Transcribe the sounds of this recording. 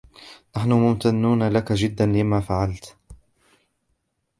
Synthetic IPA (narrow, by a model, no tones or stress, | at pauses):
naħnʊmʊmt̪anːuːnalakaʒɪd̪ːanlɪmaːfaʕalt̪